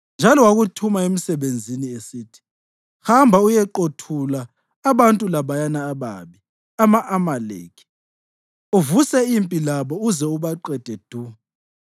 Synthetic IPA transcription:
nd͡ʒʱalɔwaɣutʰumaem̩sɛβend͡zʱiniesitʰi̥ | hambʱaujɛǃotʰulaː | βantʼulaβajanaːβa̰βi | amaʔamalḛːkʰi̥ | uvusɛimpʼilaβɔuzɛuβaǃɛd̥ʱɛd̥ʱuːa

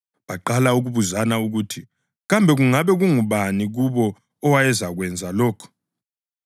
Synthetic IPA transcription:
βaǃalauɣuβuzanauɣutʰi | ɣambʱɛɣuŋaβɛɣuŋuβaniɣuβɔ | ɔwajɛzaɣwɛnd͡zʱalɔːkʰɔ̥

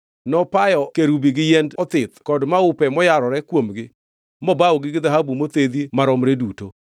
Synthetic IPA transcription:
nɔpajɔkeɾubiɡɪjɛndɔt̪ɪt̪kɔdmaʊpɛmɔjaɾɔɾɛkwomɡɪ | mɔbaɔɡɪɡɪd̪aɦabumot̪ed̪imaɾɔmɾeduto

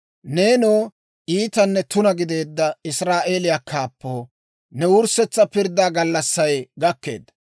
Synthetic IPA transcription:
neːnoː | ʔiːt̪ɐnːɛt̪ʊnɐɡɪd̪e̞ːd̪ːɐɪsɾaːʔe̞ːlɪjakʰːaːpːoː | nɛwʊɾsɛt͡sːɐpɪɾd̪aːɡɐlːɐsːɐjɡɐkːe̞̰ːd̪ːɐ

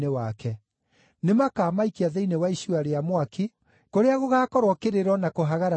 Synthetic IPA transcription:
newakɛ | nemakaːmaikiaðeinewaiʃuaɾeamwakʰi | koɾeaɣoɣaːkɔɾwɔkeɾeɾɔnakoɦaɣaɾa

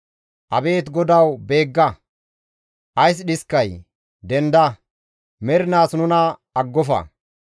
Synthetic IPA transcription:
ʔɐbe̞ːt̪ɡɔd̪ɐwbe̞ːɡːɐ | ʔɐjs̬ɗɪskːɐj | d̪ɛnd̪ɐ | mɛɾɪnaːsnʊnɐɐɡːɔfɐ̰

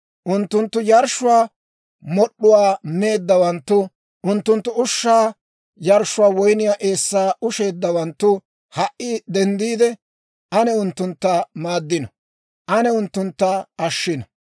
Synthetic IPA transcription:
ʔʊnt̪ːʊnt̪ːʊjɐɾʃʊwaː | mɔɗːʊwaːme̞ːd̪ːɐwɐnt̪ːʊ | ʔʊnt̪ːʊnt̪ːʊʊʃːaː | jɐɾʃʊwaːwɔjnɪjaːʔe̞ːsːaːʊʃe̞ːd̪ːɐwɐnt̪ːʊ | hɐʔːɪd̪ɛnd̪iːd̪ɛ | ʔɐnɛʊnt̪ːʊnt̪ːɐmaːd̪ːɪnɐ | ʔɐnɛʊnt̪ːʊnt̪ːɐɐʃːɪnɐ

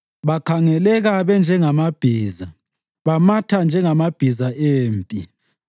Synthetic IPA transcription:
βakʰaŋɛlɛɣaβɛnd͡ʒʱɛŋamab̥ʱiːza | βamatʰand͡ʒʱɛŋamab̥ʱizaʔeːmpʼi

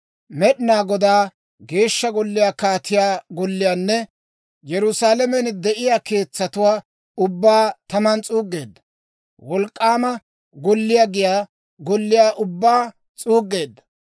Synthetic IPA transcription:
mɛɗɪnaːɡɔd̪aː | ɡe̞ːʃːɐɡɔlːɪjaːkaːt̪ɪjaːɡɔlːɪjaːnːɛ | jɛɾʊsaːlɛmɛnd̪ɛʔɪjaːke̞ːt͡sːɐt̪ʊwaː | ʊbːaːt̪ɐmɐnt͡sʼuːɡːe̞ːd̪ːɐ | wɔlkʼːaːmɐ | ɡɔlːɪjaɡɪjaː | ɡɔlːɪjaːʔʊbːaː | t͡sʼuːɡːe̞ːd̪ːɐ̥

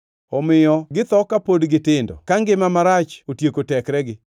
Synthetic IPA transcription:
ɔmɪjɔɡɪt̪ɔkapodɡɪtɪndɔ̰kaŋɡɪmamaɾat͡ʃotjekotɛkɾɛɡɪ

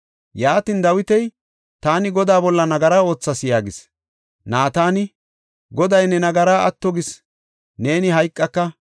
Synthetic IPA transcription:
jaːt̪ɪnd̪ɐwɪt̪ɛj | t̪aːnɪɡɔd̪aːbɔlːɐnɐɡɐɾaːo̞ːt͡sːɐsɪjaːɡɪs | naːt̪aːnɪ | ɡɔd̪ɐjnɛnɐɡɐɾaːɐt̪ːɔɡɪs | ne̞ːnɪɦɐjkʼːɐkːɐ

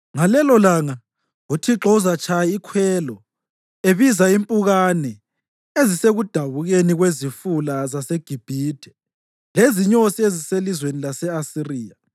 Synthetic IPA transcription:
ŋalɛlɔlaŋa | utʰiǁɔuzat͡ʃʰʼajaikʰwɛlɔ | eβizaimpʼuɣanɛ | eziseɣud̥ʱaβuɣeniɣwezifulazaseɡ̥ʱib̥ʱiːd̥ʱɛ̥ | leziɲosieziselizwenilasɛasiriːa

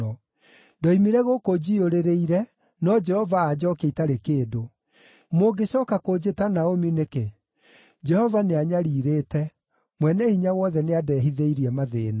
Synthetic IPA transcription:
ɔ | dɔimiɾɛɣokod͡ʑioɾeɾeiɾɛ | nɔd͡ʒɛhɔvaːd͡ʒɔkeitaɾekeːdo | moɡeɕɔːkakod͡ʑetanaomineke | d͡ʒɛhɔvaneaɲaɾiːɾeːtɛ | mwɛnɛhiɲawɔðɛneadɛːɦiðeiɾiɛmaðeːna

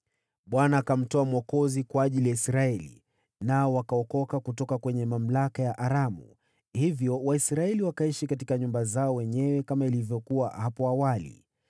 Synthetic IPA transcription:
ɓwanaːkam̩tɔamwɔkɔzikwaːʄilijaisɾaɛlḭ | naɔwakaɔkɔkakutɔkakwɛɲɛmam̩lakajaʔaɾamṵ | hivjɔwaisɾaɛliwakaiʃikatikaɲumbazaɔwɛɲɛwɛkamailivjɔkuwahapɔawalḭ

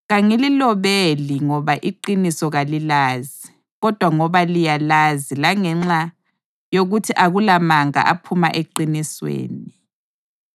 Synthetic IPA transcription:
ɣaŋililɔβeliŋɔβaʔiǃinisɔɣalilaːzi | ɣɔd̥ʱwaŋɔβalijalazilaŋɛŋ͡ǁa | joɣutʰiʔaɣulamaŋa̰ʔapʰuma̰ʔeǃiniswḛːni

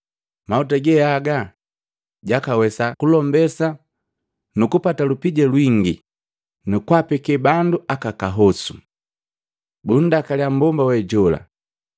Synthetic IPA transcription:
mautaɡɛaɡa | ɟakawɛsakulɔmbɛsa | nukupatalupiɟɛlwiŋɡi | nukwapɛkɛbanduʔakakaɦɔsu | bun̩dakaljam̩bɔmbawɛɟɔla̰

